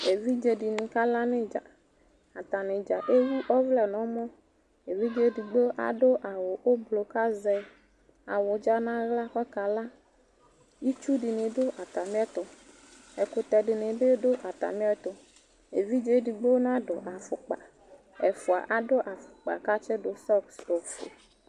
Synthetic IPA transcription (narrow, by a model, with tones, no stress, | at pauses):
e˨vi˦d͡ʒe˨ɖi˨nĩ˨ka˦la˦nẽ˦d͡ʒa̰˨ | a˨t̪a˨nẽ˨d͡ʒa˨ʔe˦wu˦ʔɔ˦vlɛ˨nɔ̃˨˦mɔ̃˦ | e˨vi˦d͡ʒe˦ɖi˨ɡ͡be˦ʔa̰˨ɖo˦ʔa˨wo˨ʔo˦blo˨ka˦zɛ˦ | a˨wʊ˨d͡ʒa˦nã˦ɣla˦xɔ˦ka˨la˦ | ji˦t͡ʃu˦ɖi˨nẽ˨ɖo˦ʔa˨t̪a˨mĩ˦ɛ˦t̪o˨ | e˨ko˨t̪ɛ˨ɖi˨nẽ˨be˦ɖo˦ʔa˨t̪a̰˨mĩ˦ɛ˦t̪o˨ | e˨vi˦d͡ʒe˦ɖi˨ɡ͡be˦wo˦nã˦ɖo˨ʔa˨fʊ˨k͡pa̰˨ | e˨fo˨a̰˨ʔa˨ɖo˦ʔa˨fʊ̥˨k͡pa̰˨ka˦t͡ʃe˦ɖo˨sɔ˦kso˨fo̰˨